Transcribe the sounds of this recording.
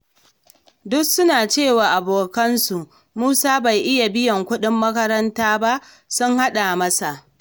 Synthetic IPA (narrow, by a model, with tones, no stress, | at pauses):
dʊ˦ksʊ˦naː˨t͡ʃeː˦˨waː˨ʔa˨boː˨kɐ˦nsu˨ʔ | muː˦saː˦ba˨jʔɪ˦ja˨bɪ˦jɐ˨ŋkʷʊ˦ɗɪ˦mːɐ˦kɐ˦ɾɐ˦ntaː˦ba˦ʔ | sʊ˦ŋha˦ɗa˨mɐ˦sa˨ʔ